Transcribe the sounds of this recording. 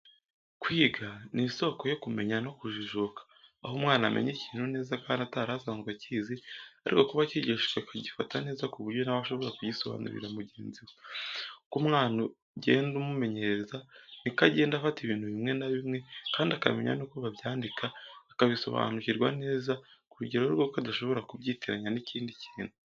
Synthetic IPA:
kwiːɡaniso̞ːko̞jo̞kume̞ɲano̞kuʒiʒokḁːɦumŋaːnamʔḛɲeciːn̥hune̞ːzakaːndataɾasaːŋzɡwacizia̰ɾḭko̞kuβaciɟeʃiwekaɟifatane̞ːzakuβuɾɟo̞naβaʃo̞βo̞ɾakuɟiso̞βa̰nṵɾḭɾamuɟḛːnziwekumŋaːnu | ɟe̞̰ːndumume̞ɲe̞ɾezanikaɟe̞ːndafatiβiːnhuβimŋe̞naβimŋe̞kaːndiaka̰me̞̰ɲa̰nikoβaβjaːndikʰaːkaβiso̞̰βa̰nuciɾɡwane̞ːzakuɾuɟeɾoɾɡo̞kadaʃo̞βo̞ɾakuβɟiːteɾaɲaniciːndiciːnhu

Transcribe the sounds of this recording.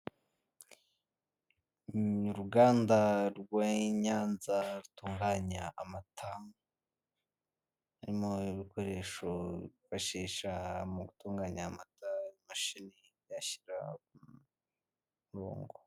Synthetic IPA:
uɾuɡaːndaɾɡweɲaːnzaɾutuːŋɡaːɲaːmatʰa | aɾimo̞iβiko̞ɾe̞ːʃoifaʃiːʃamuɡutuːŋɡaːɲaːmatajimaʃini | jaçi̥ɾa̰u | ɾo̰ːŋɡo

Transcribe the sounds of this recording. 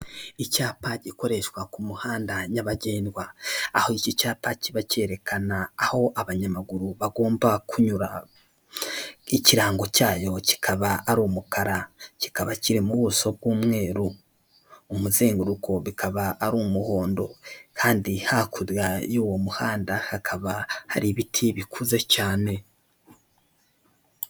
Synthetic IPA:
icaːpaɟiko̞ɾe̞ʃwakumuhaːndaɲaβaɟe̞ːndwaa̰hoicicaːpaciβace̞ɾe̞kʰanaːho̞ʔaβaɲamaɡuɾuβaɡo̞ːmbakuɲuɾa | iciɾaːŋɡo̞caːjo̞ci̥kʰaβaːɾuːmukaɾaci̥kaβaciɾimuβuso̞b̚ɡwuːmŋe̞ːɾuː | muze̞ːŋɡuɾukʰo̞βikʰaβaːɾuːmuho̞ːndo̞̰kʰaːndihakʰuɾjajuːwo̞muhaːndahakʰaβahaɾiβitʰiβikʰuze̞caːne

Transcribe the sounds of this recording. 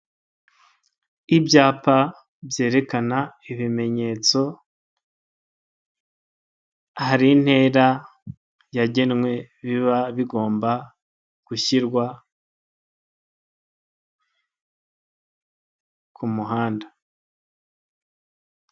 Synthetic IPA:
ibjaːpa | bje̞ːɾe̞kanaiβime̞ɲe̞ːt͡so̞ | haɾin̥he̞ːɾa | jaɟe̞nŋwe̞ | βiβaβiɡo̞ːmba | ɡ̥uçiɾɡwa | kʰumuɦaːnda

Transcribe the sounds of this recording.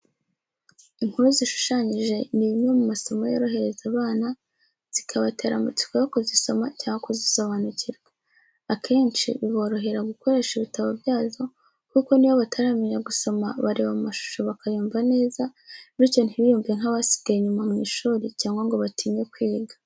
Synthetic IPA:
iŋ̥huɾuziʃu̥ʃaɲiʒe̞niβimɲe̞mumaso̞majo̞̰ɾo̞ɦe̞ɾe̞zaβaːna | z̥ikʰaβate̞ːɾa̰mut͡si̥ko̞jokuziso̞ma̰caːŋɡakuziso̞βanuciɾɡe | akʰe̞ːnt͡ʃḭβiβo̞ɾo̞ɦe̞ɾaɡuko̞ɾe̞ːʃiβitaβabjaːzo̞ | kuko̞niβoβatʰaɾaːmiɲaɡuso̞maβaɾeːβamumaʃu̥ʃoβakajuːmvane̞ːzaɾico̞n̥hiβijuːmvije̞ŋ̥haβasi̥b̚ɡajiɲumamŋiːʃuːɾicaːŋɡaŋɡo̞βatʰiːɲe̞kwiːɡḁ

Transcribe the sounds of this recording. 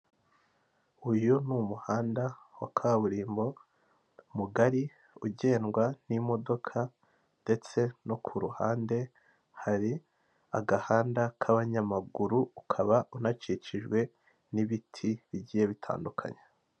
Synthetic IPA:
ujunumuhaːndawakʰaβaβuɾiːmbo̞ | muɡaɾi | uɟe̞ːnɡwanimo̞do̞kʰa | nde̞t͡se̞no̞kʰuɾuha̰ːnde̞ | haɾi | aɡahaːndakʰaβaɲamaɡuɾuukʰaβaunat͡ʃit͡ʃiʒɡwe̞ | niβitʰiβiɟiːje̞βitʰa̰ːndukʰa̰ɲa

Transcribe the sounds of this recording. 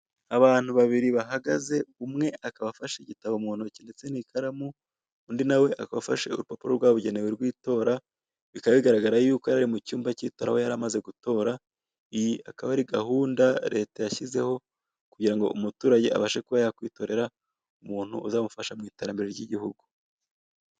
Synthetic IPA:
aβaːn̥huβaβiɾiβaɦaɡaze̞umŋe̞ʔakaβafaʃeɟitaβomuːn̥ucinde̞t͡se̞nikʰaɾamuː | ndinawe̞ʔakaβafaʃḛṵɾupopuɾoɾɡwaːβuɟe̞neweɾɡwiːto̞ːɾa | βikaβaβiɡaɾaɡaɾajuːko̞jaɾaɾimucuːmbacitoɾa̰hwo̞jaɾamaze̞ɡuto̞ːɾa | ijiakaβaɾiɡahuːndaɾe̞tajaçize̞ho̞ | kuɟiɾaŋɡo̞̰ʔumutuːɾaɟe̞a̰βaʃekuβajakwiːto̞ɾe̞ɾa | umuːn̥hṵuzamufaʃamŋiːte̞ɾambe̞ɾeɾɟiɟihuɡu

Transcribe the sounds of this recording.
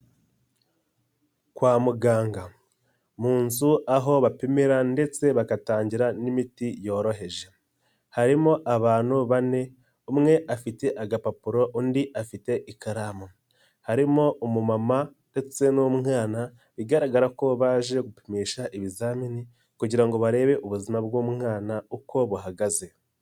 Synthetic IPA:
kwaːmuɡaːŋɡa | muːnzuaɦo̞βapimiɾande̞t͡se̞βakataːɲɟiɾanimitijo̞ːɾo̞ɦe̞ʒe̞ | haɾimo̞ʔaβaːn̥huβane̞ | umŋe̞ʔafite̞ʔaɡapapuɾo̞ʔundiʔafite̞ʔikaɾamo | haɾimo̞omumamande̞t͡se̞nomŋaːna | βiɡaɾaɡaɾako̞βaːʒe̞ɡupimiːʃaʔiβizaːmini | kuɟiɾaŋɡo̞βaɾe̞ːβe̞ʔuβuzimabɡoːmŋaːnaukʰo̞βuɦaɡaze̞

